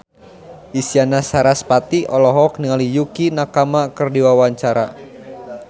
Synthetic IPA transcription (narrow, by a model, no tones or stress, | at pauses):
isianasaɾaspat̪iʔɔlɔɦɔk̚niŋalijukinakamakɨrdiwawaɲt͡ʃaɾa